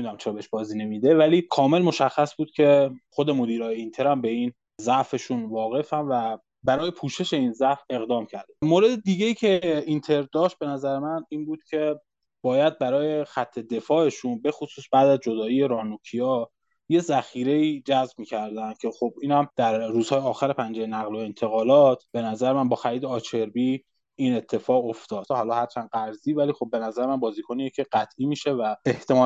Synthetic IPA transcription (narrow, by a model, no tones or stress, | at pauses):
id̪æmt͡ʃʰeɾɒbeheʃbɒːziːne̞miːd̪e̞væliːkʰɒːme̞lmo̞ʃæxːæsbuːd̪̥̚cʰe̞χod̪e̞mod̪iːɾɒːjeint̪ʰe̞ɾæmbe̞iːn | zæʔfe̞ʃunvɒːɣe̞fænvæ | bæɾɒːje̞pʰuːʃe̞ʃe̞iːnzæʔfe̞ɣd̪ɒːmcʰæɾd̪ebmoɾe̞d̪ed̪iɟeiːcʰe̞int̪ʰe̞ɾd̪ɒːʃt̪̚b̥e̞næzæɾemæniːnbuːd̪̥̚cʲʰe̞ | b̥ɒːjæd̪̚bæɾɒːje̞xæt̪ʰːe̞d̪e̞fɒːe̞ʃunbe̞xosuːsbæːd̪æzd͡ʒo̞d̪ɒːije̞ɾɒːnucʰijɒː | je̞zæxiːɾe̞iːd͡ʒæzbmiːcʰæɾd̪ænd̪̥̚cʰe̞xo̞b̚iːnhæmd̪̥æɾːuːz̥hɒːjeɒːxæɾe̞pʰænd͡ʒejenæɣlo̞e̞nt̪ʰe̞ɣɒːlɒːt̪ʰb̥e̞næzæɾemænbɒːxæɾiːd̪eɒːt͡ʃʰe̞ɾbi | iːne̞t̪ʰːe̞fɒːɣoft̪ɒːd̪̥hɒːlɒːhæɾt͡ʃʰæːnɢæɾziːvæliːxo̞b̚ːe̞næzæɾemænbɒːziːkʰoniːjecʰeɢæt̪ʰʔiːmiːʃe̞væeht̪ʰe̞mɒː